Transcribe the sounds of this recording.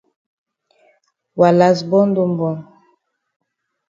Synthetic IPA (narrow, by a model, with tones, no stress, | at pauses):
wa˨la˨zbɔ˦ndo˦mbɔ˨n